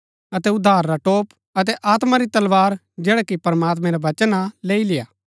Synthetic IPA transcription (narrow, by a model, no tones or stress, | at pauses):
ɐt̪ɛʊd̪ʱːaːɾːaʈoːp | ɐt̪̬ɛʔaːt̪maɾit̪ɐlʋaːɾ | d͡ʒɛːɽakipɐɾəmaːt̪̬mɛ̃ɾaʋɐt͡ʃənaleːilɪjaː